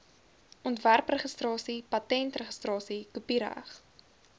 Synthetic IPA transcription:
ʔɔntværprəχəstrɑːsipɐtɛntrəχə̥strɑːsikupiɾæ̰χ

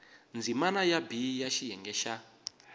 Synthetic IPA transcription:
nd͡zimanajabijaʃijɛŋɡɛʃa

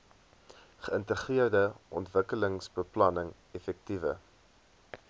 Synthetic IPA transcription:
χəəntəχiərdəʔɔ̰ntvəkələŋsbəplɐnəŋ | ɛfɛk̚tivə̰

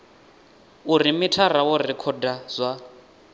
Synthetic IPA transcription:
uɾimitʰarawɔrikʰɔdaz̥ʷa

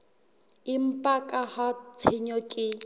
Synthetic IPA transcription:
ɪm̩pʼakʼahɔt͡sʰɪɲɔkʼɪ

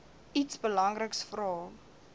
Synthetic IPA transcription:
itsbəlɐŋrəksfrɑː

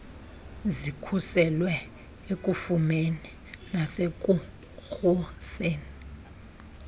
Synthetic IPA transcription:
zikʰusɛlwɛ | ekʼufumeni | nasek̬ʼu | xuseːni

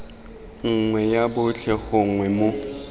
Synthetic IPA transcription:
ŋ̩ŋwɛjabʊt͡ɬʰɛχʊŋwɛmo

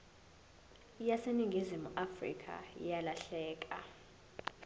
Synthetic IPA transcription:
jaseniŋɡʱizimuʔafrḭkʼa̰jalaɬɛːk̬ʼa̰

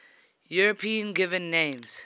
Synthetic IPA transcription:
juɹəpʰĩə̃nɡɪvə̃nːẽmz̥

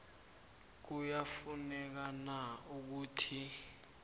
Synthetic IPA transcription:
k̬ujafunɛk̬anauk̬uːtʰi

